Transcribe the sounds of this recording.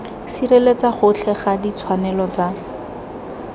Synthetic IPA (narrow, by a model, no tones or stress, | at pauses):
sirelet͡saχʊt͡ɬʰɛχadit͡sʰwanɛlɔt͡sa